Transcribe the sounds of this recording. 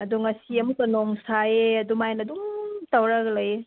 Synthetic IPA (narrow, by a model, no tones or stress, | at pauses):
ɐduŋɐsiɐmutɐnoŋsaeɐdumajnɐduŋtawɾɐɡlɐje